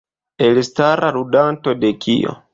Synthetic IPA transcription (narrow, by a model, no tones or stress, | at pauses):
elstaɾʔaɾudanto̞de̞kʰḭjo̰